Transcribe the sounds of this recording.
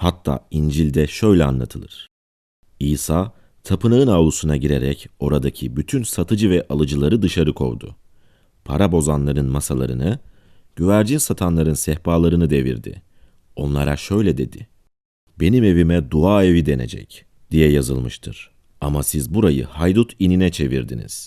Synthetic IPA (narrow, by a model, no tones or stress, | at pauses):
hat̪ʰːa̰ːind͡ʒilʲd̪ɛʃø̞jlʲɛa̰nlˠa̰t̪ʰɯlˠɯ̰ɾ̥ | iːsaː | t̪ʰapʰɯnaɯnaːlˠusunaɟiɾeɾɛco̞ɾad̪acʰibyt̪ʰynsat̪ʰɯd͡ʒɯvɛʔalˠɯd͡ʒɯlˠaɾɯd̪ɯʃaɾɯkʰo̞̰wd̪ʊ̰ | pʰa̰ɾabo̞zanlˠaɾɯnmasalˠa̰ɾɯnɯ | ɟ̥yvæɾd͡ʒinsat̪ʰanlˠaɾɯnsɛhbaːlˠaɾɯnɯd̪e̞vḭɾd̪ɪ̰ | o̞nlˠaɾaʃø̞jlʲɛd̪e̞d̪ɪ | b̥e̞nime̞vimɛd̪uaːe̞vid̪e̞ne̞̰d͡ʒɛ̰c | d̪̥ijɛjazɯ̰lˠmɯʃt̪ʰɯ̰ɾ̥ | amasizbuɾajɯ̰hajd̪ut̪ʰininɛt͡ʃʰe̞vḭɾd̪ḭnḭz̥